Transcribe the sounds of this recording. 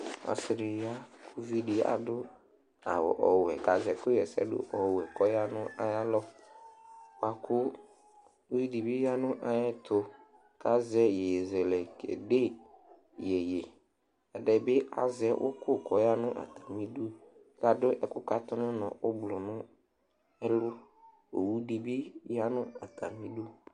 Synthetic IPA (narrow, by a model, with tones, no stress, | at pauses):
a̰˨sɪ˨ɾɪ˨ja˦kʰʊ˦vi˦di˨a̰˨dʊ˦ | a̰˨wɔ̰˨ʔɔ˨wɛ̰˨ka˨zɛ˨fʊ˦jɛ˨sɛ̰˦dʊ̰˦ʔɔ˨wɛ˨kɔ˦ja˦nʊ̃˦ʔa˦ja˦lɔ˦ | wa˨kʰʊ˦ | i˦di˨bɪ˦ja˦nʊ̃˦ʔa˨jɛ˦t̪ʰʊ˨ | ka˦zɛ˦je˨je˨zɛ˨lɛ˨kḛ˨de˦ | jɛ˨je˨ | ɛ˨dɛ˨bɪ˦a̰˨zɛ˦wʔʊ̰˦kʊ˦˨kɔ˨ja˦nʊ̃˦ʔa̰˨t̪a˨mĩ˦du˦ | ka˨dʊ˦ʔɛ˨kʊ˦ka˦t̪ɔ˦nʊ̃˦nɔ̰̃˨ʔʊ˦blʊ˨nʊ̃˦ | ɛ˦lʊ˦ | o̰˨wu˦di˨bi˦ja˦nʊ̃˦a˨t̪ʰa˨mĩ˦du˦